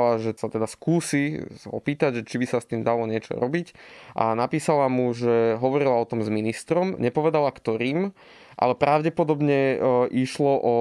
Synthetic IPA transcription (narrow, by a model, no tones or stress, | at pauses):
laʒɛsat̪ɛd̪askuːsisaɔ̰piːt̪aɟʒɛt͡ʃibisast̪iːmd̪alɔɲɪɛt͡ʃɔ̰ɾɔbicʔa̰napiːsalamuʒɛɦɔʋɔɾilaɔt̪ɔmzminist̪ɾɔmɲɛpɔʋɛd̪alakt̪ɔɾiːm | ʔa̰lɛpɾaʊɟɛpɔd̪ɔbɲɛʔiʃlɔʔɔ